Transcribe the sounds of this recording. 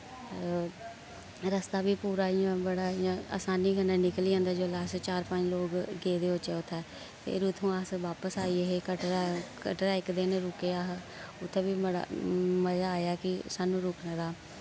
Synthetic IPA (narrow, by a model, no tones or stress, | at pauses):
ɾəst̪aːʋiːpuːɾaːijãːbəɽaːijãːa̰ːsaːniːɡənãːnɪkliːãːnd̪aːd͡ʒoːlaːst͡ʃaːɾpə̃ɲd͡ʒloːkɡeːd̪eːʊt͡ʃeːʊt̪ʰːɛː | fḛɾʊt̪ʰːõːaːsʋaːpəsaːiːeɦeːkəʈɾaːkəʈɾaːɪkd̪eːneːɾʊkeːaːɦ | ʊt̪ʰːẽːʋiːməɽa̰məzaːaːjaːkɪsaːnũːɾʊːknaːd̪aː